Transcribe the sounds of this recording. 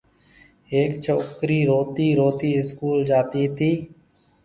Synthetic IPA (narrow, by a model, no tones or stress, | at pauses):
eːkt͡ʃʰoːkɾiːɾoːt̪iːɾoːt̪iːɪskuːld͡ʒaːt̪iːt̪ʰiː